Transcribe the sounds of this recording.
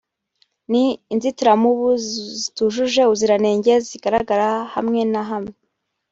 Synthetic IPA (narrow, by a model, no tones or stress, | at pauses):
niːnzitiɾamuβuzituʒuʒe̞uziɾane̞ːɲɟe̞ziɡaɾaɡaɾaha̰mŋe̞naɦamŋe